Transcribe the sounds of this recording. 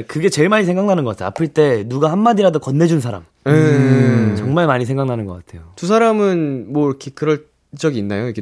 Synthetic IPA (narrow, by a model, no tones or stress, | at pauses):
kɯɡe̞t͡ɕe̞ɭmaɲisʰeŋɡaŋnanɯnɡʌk͈atʰea̰pʰɯɭt͈e̞nuɡahanːadiɾadokʌnːe̞d͡ʑunsʰaɾa̰m | e | t͡ɕʌŋmaɭmaɲisʰeŋɡaŋnanɯnɡʌk͈atʰe̞jotus̬ʰaɾamɯnmwʌiɾʌkʰe̞kɯɾʌɭ | t͡ɕ͈ʌɡiːnːajoike